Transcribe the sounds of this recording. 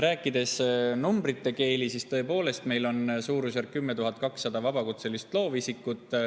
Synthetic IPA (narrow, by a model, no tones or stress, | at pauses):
ɾæːkˑːid̪e̞snumbɾit̪ːe̞ke̞ːlisist̪ɤ̞epo̞ːle̞st̪me̞jlo̞nsuːɾus̬erkːymːet̪uɦɑt̪̚kɑksːɑd̪ɑvɑbɑkut̪se̞list̪lo̞ːvisikːˑut̪ːˑ